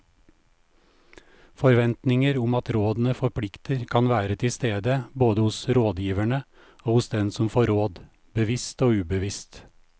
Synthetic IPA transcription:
fɔɾʋɛnt̪nɪŋəɾʊmɑt̪ɾoːd̪n̩əfɔɾpʰɽɪkt̪əɾkʰɑnʋæːɾət̪ʰɪst̪eːd̪əboːd̪əhʊsɾoːd̪jiːʋæɳə | oːhʊsd̪ɛnsɔmfoːɾoːd̪ | bəʋɪst̪oːʉːbəʋɪst̪

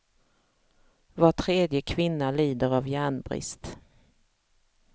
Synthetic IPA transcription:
vaʈʰɾeːd̪jəkʰvɪnːaliːd̪əɾavjæːɳbɾɪ̰st̪

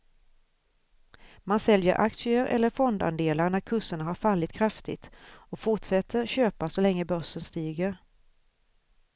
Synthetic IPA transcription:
mansɛljəɾʔa̰kʂɪəɾʔɛ̰lːəɾfɔnd̪a̰nd̪eːlaɾɳæɾkʰɵsəɳaɦaɾfalːɪt̪kʰɾaft̪ɪ̰t̪ɔfʊʈʂɛt̪ʰːəɾɕøːpasɔlɛŋːəbœʂənst̪iːɡəɾ

